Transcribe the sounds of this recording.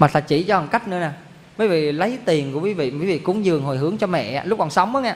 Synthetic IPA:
maː˨˩t̪ʰa̰ː˧˨˩t͡ɕi˧˩t͡ɕɔ˧hə˨˩ŋka˦˥jk̟̚nɨ˧ənaː˨˩ | vəː˨˦vḭ˧˨lə˨˦jt̪i˨˩ənku˧˩əkwi˨˦vḭ˧˨kui˨˦vḭ˧˨ku˨˦ŋzɨ˨˩əŋɦo˨˩jɦɨ˨˦əŋt͡ɕɔ˧mɛ̰˧˨aː˨˧˦lʊ˦˥k͡p̚kɔ˨˩nsa˨˦wŋ͡mʔə˨˦ŋaː˧˩

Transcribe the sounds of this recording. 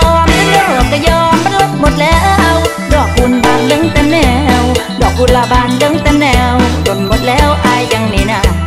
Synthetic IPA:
ɔː˧˩mlɯ˧˨˧kaː˧˩jɔː˧mːa˧˨nlo˧˥t̪̚mo˨˩t̪̚lɛː˨˦˥ʔw | dɔː˨˩k̚u˧nbaː˧nlɯ˧˥˨ŋt̪ɛː˧mnɛː˧˩w | dɔː˨˩k̚ːu˧nlaː˧˩baː˧nlɯ˧˦˥ŋt̪ɛː˧mnɛː˧˩wko˨˩nmo˨˩t̪̚lɛː˦˥wʔaː˧jːa˧ŋni˧˩naː˧˩

